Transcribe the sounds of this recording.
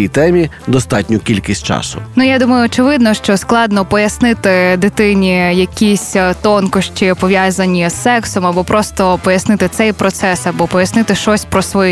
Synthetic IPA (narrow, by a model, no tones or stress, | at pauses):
ijt̪ɛmʲi | d̪ɔst̪ɑtʲnʲʊkʲilʲkʲisʲtʲt͡ʃɑ̰sʊ̰nujad̪umɐjʊːt͡ʃɪʋɪd̪nɔʃt͡ʃɔsklˠɑd̪nɔpɔjɐsnɪt̪ɪd̪ɪt̪ɪnʲijɐkʲisʲt̪ɔnkʊʃt͡ʃɪpɔʋʲjazɐnʲisːɛksɔmɐbɔpɾʔɔst̪ɔpɔjɐsnɪt̪ɪt̪sɛjpɾɔt̪sɛsɐbɔpɔjɐsnɪt̪ɪʃɔsʲpɾɔsʋɔj